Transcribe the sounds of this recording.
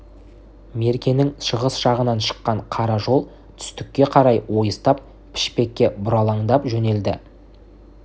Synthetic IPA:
me̞ɾkʲe̞nɪŋʃəʁəsʒɑʁənɑnʃə̥qːɑɴqʰɑɾɑʒo̞lˠ | t̪ʰʏ̥st̪ɪkʲːe̞qʰɑɾɑjwo̞jəst̪ɑp̚ | pʰɪ̥ʃpe̞kʲːe̞bʊɾɑlˠɑŋd̪ɑpʒɵne̞ld̪ɪ̰

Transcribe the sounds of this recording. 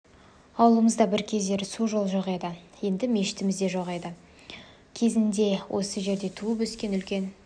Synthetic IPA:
ɑwlˠəməzd̪ɑbɪɾkʲʰe̞zd̪e̞ɾsuʒo̞lˠʒoʁed̪əje̞nd̪ɪme̞ʃɪ̥t̪ɪmɪzd̪e̞ʒoʁejd̪ə | kʲʰe̞zɪnd̪e̞wʔo̞̰səʒe̞ɾd̪e̞t̪ʰuəpɵskʲe̞nʏlkʲe̞n

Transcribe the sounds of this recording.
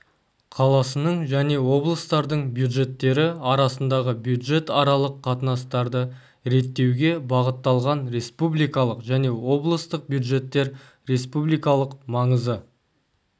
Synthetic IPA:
qʰɑlˠɑsənəɴʒæne̞wo̞blˠəst̪ɑɾd̪əɴbjud̪ʒe̞t̪ːe̞ɾɪɑɾɑsənd̪ɑʁəbjud̪ʒe̞t̪ɑɾɑlˠəqʰːɑt̪ənɑst̪ɑɾd̪ə | ɾe̞t̪ːe̞wɡʲe̞bɑʁət̪ːɑlˠʁɑnɾe̞spublijkɑlˠəqʒæne̞wo̞blˠəst̪əq̚bjud̪ʒe̞t̪ːe̞ɾ | ɾe̞spublˠijkɑlˠəqmɑɴəzə

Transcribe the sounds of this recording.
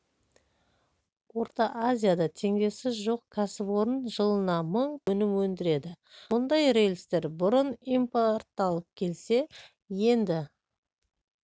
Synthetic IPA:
wo̞ɾt̪ɑʔazʲijad̪ɑt̪ʰe̞ŋd̪e̞sɪzʒo̞qkʲʰæsɪpwo̞ɾənʒəlˠənɑməɴɵnɪmwɵnd̪ɪɾe̞d̪ɪ | mʊnd̪ɑjre̞jlʲst̪e̞ɾbʊɾʊnimport̪ːɑlˠəq̚kʲʰe̞lse̞ | je̞nd̪ɪ

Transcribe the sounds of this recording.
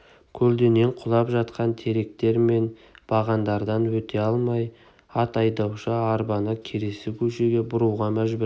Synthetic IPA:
kʲʰɵld̪e̞ne̞ɴqʰʊlˠɑpʒɑt̪qɑnt̪ʰe̞ɾe̞k̚t̪e̞ɾme̞nb̥ɑʁɑnd̪ɑɾd̪ɑnwɵt̪ʰe̞ɑlˠmɑj | ɑt̪ɑjd̪ɑwʃəɑɾbɑnəkʲʰe̞ɾe̞sɪkʲʰɵʃe̞ɡʲe̞bʊɾuwʁɑmæʒbɪɾ

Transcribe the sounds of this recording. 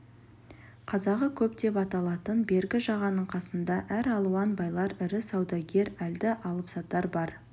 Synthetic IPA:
qʰɑzɑʁəkʲʰɵpd̪e̞pɑt̪ɑlˠɑt̪ənbe̞ɾɡʲɪʒɑʁɑnəɴqʰɑsənd̪ɑʔæɾɑlˠuwɑnbɑjlˠɑɾɪɾɪsɑwd̪ɑɡʲe̞ɾæld̪ɪʔɑlˠəpsɑt̪ːɑɾbɑɾ

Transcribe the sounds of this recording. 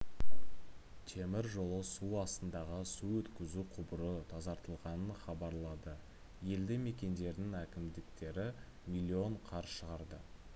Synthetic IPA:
t̪ʰe̞mɪɾʒo̞lˠəsuɑst̪ənd̪ɑʁəsuwɵt̪kʲɪzuqʰʊbəɾət̪ʰɑzɑɾt̪əlˠʁɑnənχɑbɑɾlˠɑd̪ə | je̞ld̪eme̞kʲe̞nd̪e̞ɾd̪ɪŋækʲɪmd̪ɪkt̪e̞ɾɪ | mʲilʲːio̞ɴqʰɑɾʃəʁɑɾd̪ə

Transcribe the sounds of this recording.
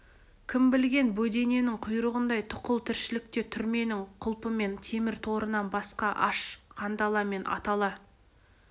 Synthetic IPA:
kʲʰɪmbɪlɡʲe̞nbɵd̪e̞ne̞nɪŋqʰʊjɾəʁənd̪ɑjt̪ʰʊ̥qəlˠt̪ʰɪɾʃɪlɪk̚t̪e̞t̪ʰʏɾme̞nɪŋqʰʊlˠpəme̞nt̪ʰe̞mɪɾt̪ʰo̞ɾənɑnbɑsqɑʔɑʃqʰɑnd̪ɑlˠɑme̞nʔɑ̰t̪ɑlˠɑ

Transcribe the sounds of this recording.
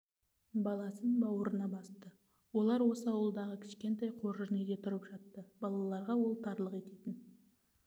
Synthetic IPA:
bɑlˠɑsənbɑwəɾənɑbɑst̪ə | wo̞lˠɑɾwo̞səɑwəlˠd̪ɑʁəkʲʰɪ̥ʃkʲe̞nt̪ɑjqʰo̞ɾəʒɪned̪e̞t̪ʰʊɾəpʒ̥ɑt̪ːəbɑlˠɑlˠɑɾʁɑwolˠt̪ʰɑɾlˠəqe̞t̪et̪ɪn

